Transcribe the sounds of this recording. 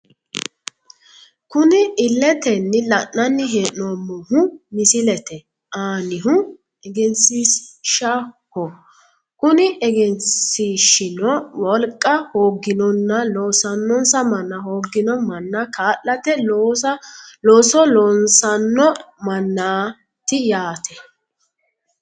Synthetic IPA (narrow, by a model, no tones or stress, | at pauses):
kʊnɪʔɪlːɛt̪ɛnːɪlɐʔnɐnːɪɦeːʔnomːɔhʊmɪsɪlɛt̪ɛ | ʔaːnɪɦʊ | ɛɡɛnsisʃɐhɔ | kʊnɪʔɛɡɛnsiːʃɪnɔwɔlkʼːɐhoːɡːɪnɔnːɐloːsɐnːɔnsɐmɐnːahoːɡːɪnɔmɐnːakʰaːʔɐt̪ɛ | loːsɔlɔnsɐnːɔmɐnːaː | t̪ɪjaːt̪ʰɛ